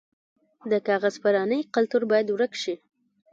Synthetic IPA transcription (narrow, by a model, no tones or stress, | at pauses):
d̪əkɑɣazpaɾɑnəjqalt̪uɾbɑjad̪wɾəkʃi